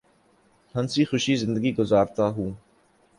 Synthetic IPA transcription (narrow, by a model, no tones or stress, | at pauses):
hɐ̃nsiːxʊʃizɪ̃nd̪əɡiɡʊzaːɾt̪aɦũː